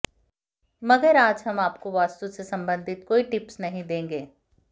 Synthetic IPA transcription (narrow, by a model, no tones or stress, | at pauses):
mɐɡəɾaːd͡ʒɦɐmaːpkoʋaːst̪usesɐ̃mbə̃nd̪ʱɪt̪̚koːiʈɪpsnɐɦĩd̪ẽːŋɡeː